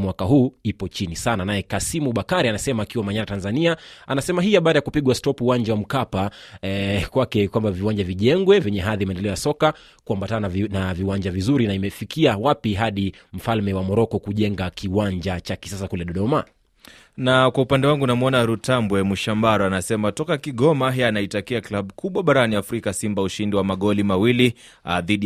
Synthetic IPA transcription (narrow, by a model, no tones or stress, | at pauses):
mwakaɦuːipɔt͡ʃinisananajɛkasimuɓakaɾianasɛmaːkiwamaɲaɾatanzaniaanasɛmaɦiːaɓaːɗajakupiɠwastɔpuːwaɲd͡ʒawam̩kapa | kwakɛkwambaviwaɲd͡ʒaviʄɛŋɡwɛvɛɲɛɦaðimaɛndɛlɛɔjasɔka | kuambatannanaviwaɲd͡ʒavizuɾinaimɛfikiawapiɦaɗim̩falmɛwamɔɾɔkɔkuʄɛŋɡakiwaɲd͡ʒat͡ʃaki̥sasakulɛɗɔɗɔma | nakwaupandɛwaŋɡunamuɔnaɾutambwɛmuʃambaɾɔanasɛmatɔkakiɠɔmaɦɛanaitakiaklaɓukʰuɓwaɓaɾaniafɾikasimbauʃindiwamaɠɔlimawili | ðiɗi